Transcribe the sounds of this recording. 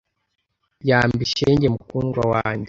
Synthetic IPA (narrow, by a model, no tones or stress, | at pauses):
jaːmbiʃeːɲɟemukuːnɡwawaːɲɟe